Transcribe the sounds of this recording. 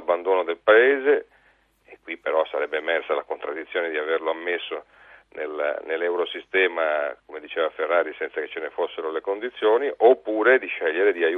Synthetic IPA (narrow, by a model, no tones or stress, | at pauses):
bːand̪oːnod̪elpaeːzeː | kːwipːeɾɔsːa̰ɾɛbːeːmɛrsalakont̪ɾad̪ːit̪sjoːned̪iaverloamːesːo | nḛlnelːɛwɾosist̪ɛːmakomed̪it͡ʃeːvaferːaːɾisɛnt̪saket͡ʃːenefosːeɾolekond̪it̪sːjoːniʔopːuːɾed̪iʃɛʎːeɾed̪iaj